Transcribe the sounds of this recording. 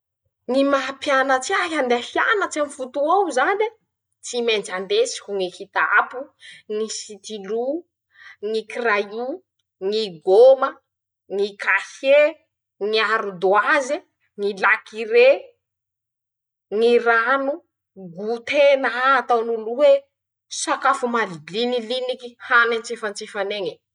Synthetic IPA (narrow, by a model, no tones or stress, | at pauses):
ŋimapjanət͡siaɦand̪afia̰nət͡samifut̪uawzani | t͡simend͡ʒand̪esi̥kʲuŋikit̪a̰puŋisit̪ilu | ŋikiraju | ŋiɡomə | ŋikahe | ŋiaɾud̪uazi | ŋilakiɾe | ŋiranu | ɡut̪enaːt̪awnuluwe | sakafumalinilinikihanant͡sefant͡sefaneŋe